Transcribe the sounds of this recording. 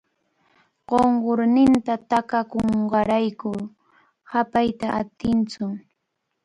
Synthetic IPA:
ɢ̥oɴɢoɾnɪnt̪at̪akakoɴɢɑɾajkʊ | hapajt̪aʔat̪ɪnt͡sʊm

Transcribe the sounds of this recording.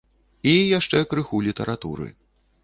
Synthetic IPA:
ijaʂt͡ʂɛkɾɨxulʲit̪ɐɾat̪uɾɨ̰

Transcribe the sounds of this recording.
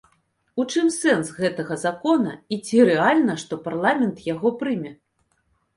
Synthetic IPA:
ut͡ʂɨmsɛnsɣɛt̪ɐɣɐzakɔnɐ̰it͡sʲiɾɛalʲnɐʂt̪ɔparlˠamʲɛnt̪jaɣɔpɾɨmʲɛ

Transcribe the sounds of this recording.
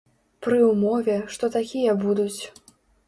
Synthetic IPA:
pɾɨwmɔvʲɛʂt̪ɔt̪akʲijɐbud̪ut͡sʲ

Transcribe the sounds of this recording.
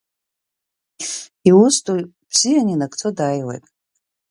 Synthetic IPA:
iwustʰʼujbz̥ijaninakʰʼt͡sʰodajwḛjtʼ

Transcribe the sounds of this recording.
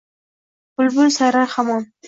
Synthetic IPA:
b̥ʊlbʊlsaɾaɾχamɑn

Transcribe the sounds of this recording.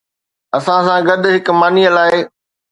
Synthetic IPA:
ɐsãsãɡɐd̪̆ʱɦɪkmaːniəlaːɪ

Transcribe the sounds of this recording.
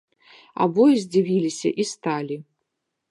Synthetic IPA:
a̰bɔjizʲd͡zʲivʲilʲisʲɐ̰ʔist̪alʲi

